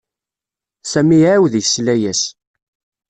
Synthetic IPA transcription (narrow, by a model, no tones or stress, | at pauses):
sæmiʕawðjəslæjæs